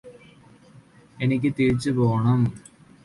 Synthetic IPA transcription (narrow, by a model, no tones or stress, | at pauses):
enikʲːɨt̪iɻt͡ɕːɨpoːɳɐm